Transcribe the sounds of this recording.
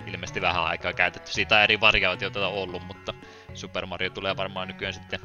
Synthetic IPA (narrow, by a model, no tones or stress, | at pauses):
ilmeːst̪iʋæhæ̰ɑ̰ˑikˑɑːkæyt̪et̪ːy̥siːt̪ˑæːˑeriʋɑrjɑot̪jot̪æt̪æolːummut̪ːɑ | supermɑrjot̪uleːʋɑrmɑːnykyænsit̪ːe